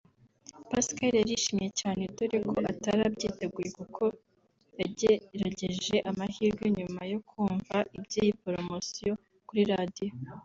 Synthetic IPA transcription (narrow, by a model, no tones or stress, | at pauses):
paskaɾjaɾiʃimije̞caːne̞doɾekʰo̞ʔataɾabɟiːte̞ɡujekukʰo̞ | jaeɾaɟe̞ʒe̞ʔamahiːɾɡe̞ɲumajo̞kʰuːɱvaʔibjeːjipoɾo̞mo̞sijo̞ | kuɾiɾadijo